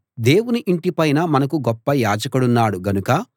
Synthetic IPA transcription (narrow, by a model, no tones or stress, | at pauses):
d̪e̞ːwuniʔiɳʈipɐjnɐmɐnɐkuɡɔpːɐjaːd͡ʒɐkɐɽunːaːɽuɡɐnukɐ